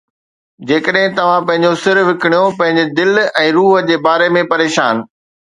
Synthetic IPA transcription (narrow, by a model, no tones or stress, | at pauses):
d͡ʑeːkəɗɦɪ̃t̪ɐʋ̤ãpɐ̃ɦɪ̃ɲd͡ʑosɪɾʋɪkɽ̃ijopɐ̃ɦɪ̃ɲd͡ʑɪd̪ɪlɛ̃ːɾuːɦə̆d͡ʑeːbaːɾemẽpɐɾeːʃaːn